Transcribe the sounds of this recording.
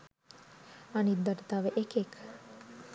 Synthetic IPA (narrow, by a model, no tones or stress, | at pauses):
anit̪̚d̪aʈət̪aʋəʔekek